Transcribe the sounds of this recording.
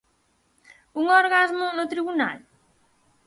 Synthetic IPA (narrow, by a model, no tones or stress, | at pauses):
uŋoɾɣazmʊnʊt̪ɾiβuna̰l